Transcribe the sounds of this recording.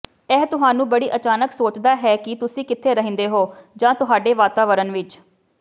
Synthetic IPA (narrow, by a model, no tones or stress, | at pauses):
ɛːt̪ʊɦaːnũːbəɽiːʔət͡ʃaːnəksoːt͡ʃd̪aːɦɛːkɪt̪ʊsĩːkɪt̪ʰːeːɾəɦə̃nd̪eːɦoːd͡ʒãːt̪ʊɦaːɖeːʋaːt̪aːʋəɾənʋɪt͡ʃ